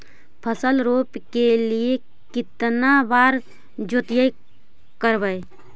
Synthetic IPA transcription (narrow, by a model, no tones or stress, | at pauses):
pʰəsəlɾopkelie | kɪt̪nabaːɾ | d͡ʒot̪jəj | kəɾbəj